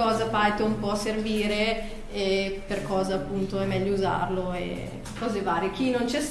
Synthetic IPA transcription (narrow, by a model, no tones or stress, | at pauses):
ɔːzafajt̪oumpɔserviːɾe | ɛperkɔːzaːpːunt̪oɛmːɛʎːouza̰rloḛ | kɔːzevaːɾek̟inont͡ʃɛs